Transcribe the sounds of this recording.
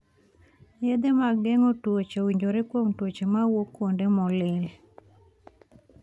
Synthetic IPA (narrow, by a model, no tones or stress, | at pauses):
jed̪emaɡɛŋotwot͡ʃowiɲd͡ʒoɾekwoŋtwot͡ʃemawokːwondemɔlɪl